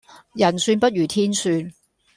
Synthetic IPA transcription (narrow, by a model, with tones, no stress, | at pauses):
jɐ˨˩nsyː˧npɐ˥t̚ɥyː˨˩t̪ʰiː˥nsyː˧n